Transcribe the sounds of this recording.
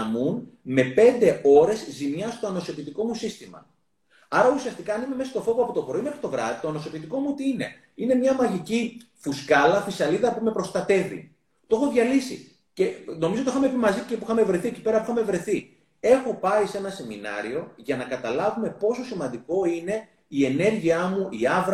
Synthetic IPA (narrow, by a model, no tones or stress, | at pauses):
ɐmunme̞pe̞nd̪e̞o̞ɾe̞zzimɲɐst̪o̞ɐno̞sopit̪iko̞musist̪imɐ̰ | ɐɾɐusiɐst̪ikɐːnime̞mesɐst̪o̞fo̞voɐpot̪o̞pɾo̞ime̞xɾi̥t̪o̞vɾɐ̰ðit̪oɐno̞so̞pit̪iko̞muot̪iine̞̰ | ine̞mɲɐmɐʝici | fuskɐlɐfisɐliðɐpume̞pɾo̞st̪ɐt̪e̞vḭ | t̪o̞xo̞ðʝɐlisḭ | ce̞no̞mizot̪ixɐme̞pimɐzicepuixɐme̞vɾe̞θieci̥pe̞ɾɐpixɐme̞vɾe̞θi | e̞xo̞pɐise̞nɐse̞minɐ̰ɾio̞ʝɐnɐkɐt̪ɐlɐvume̞po̞so̞simɐnd̪iko̞ine̞ | ie̞ne̞ɾʝiɐmuiɐvɾ